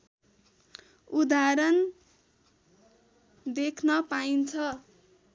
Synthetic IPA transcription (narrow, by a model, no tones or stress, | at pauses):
ud̪aɾʌn | d̪ekʰnʌpaint͡sʰʌ